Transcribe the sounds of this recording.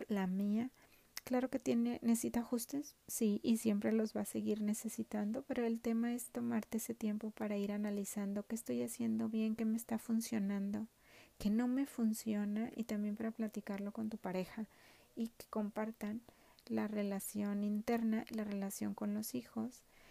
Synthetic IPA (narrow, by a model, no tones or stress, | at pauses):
lamia | klaɾo̞ke̞t̪je̞ne̞nessit̪axust̪e̞sːiʔisje̞mpɾe̞lo̞zβase̞ɣiɾne̞se̞sit̪and̪o̞pe̞ɾo̞e̞lt̪e̞mae̞st̪o̞maɾt̪e̞ese̞t̪je̞mpo̞paɾaiɾanalisand̪o̞ke̞ːst̪o̞jasje̞nd̪o̞βje̞ŋke̞meːst̪afunsjo̞nãnd̪o̞ | ke̞no̞me̞funsjo̞naʔḭt̪ambje̞mpaɾaplat̪ikaɾlo̞ko̞nt̪upaɾe̞xa | ike̥ko̞mpaɾt̪an | lare̞lasjo̞nint̪e̞ɾnaʔilare̞lasjo̞̰ŋko̞nlo̞sixo̞s